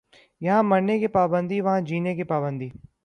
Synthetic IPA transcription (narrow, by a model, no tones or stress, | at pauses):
jɐɦãmɐɾnekepaːbə̃nd̪iʋɐɦãd͡ʒiːnekepaːbə̃nd̪iː